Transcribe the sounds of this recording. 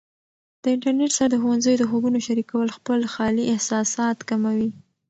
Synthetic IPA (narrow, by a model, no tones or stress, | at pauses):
d̪̥əɪɳʈaɾneʈsaɾad̪əxowanzəjod̪əxoɡunoʃaɾikawəlxpəlxɑliʔɪhsɑsɑt̪kamawi